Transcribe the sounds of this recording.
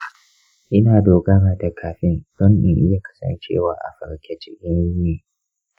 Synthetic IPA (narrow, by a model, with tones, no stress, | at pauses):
ʔɪ˦naː˨doː˨ɡaː˦naː˨da˨kʰaː˨ɸɪ˦ndɔ˦nʔɪ̰˨ʔɪ˦ja˨kɐ̥˦sɐ̰˨nt͡ʃḛː˦˨waː˦ʔa̰˨ɸɐ̰˨ɾkʲɛ˨t͡ʃɪ˦kʲɪ˦nu˦neː˨